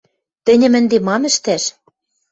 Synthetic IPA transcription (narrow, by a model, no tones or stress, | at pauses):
t̪ɘ̆nʲɘ̆mɘ̆nd̪emɑmɘ̆ʃt̪æʃ